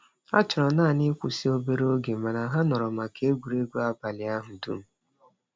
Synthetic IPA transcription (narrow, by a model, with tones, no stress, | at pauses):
a̰˦t͡ʃʊ˨ɾɔ˨naː˦˨nɪ˦kʷu˨si˦o˦be˨ɾo˦ɡe˨ma˨na˨ɦa˦nɔ˨ɾɔ˨ma˨ke˦ɡʷu˨ɾe˦ɡu˦a˦ba˨lɪ˨a˦ɦʊ˨dṵ˦m̩˨